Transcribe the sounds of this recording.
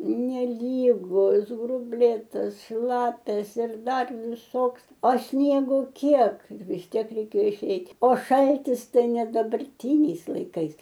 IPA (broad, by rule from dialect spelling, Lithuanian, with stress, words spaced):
nʲɛˈlʲiːɡʊs ɡrʊbʲˈlʲeːtɐs ˈʃlˠɑːpʲɛs ɪr ˈdɐr ʋʲɪˈsoːks oː ˈsʲnʲiɛɡoː ˈkʲiɛk ʋʲɪs ˈtʲiɛk rʲɛɪˈkʲeːjoː ɪˈʃʲɛɪtʲ oː ˈʃɐlʲtʲɪs ˈtɐɪ nʲɛ dɐbɐrʲˈtʲiːnʲɛɪs lˠɐɪˈkɐɪs